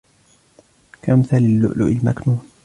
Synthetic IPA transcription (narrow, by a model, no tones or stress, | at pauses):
kamθalɪlːʊ̰ʔlʊ̰ʔɪlma̰knuːn